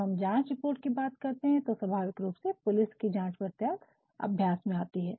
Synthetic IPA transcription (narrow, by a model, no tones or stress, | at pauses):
ɦɐmd͡ʒãːt͡ʃɾɪpoːɾʈkibaːt̪kɐɾt̪eɦɛ̃t̪oswɐbʱaːʋɪkɾuːpsepʊlɪskid͡ʒãːt͡ʃpɐɾt̪jaːk̪ | ɐ̰bʱjaːsmẽaːt̪iɦɛː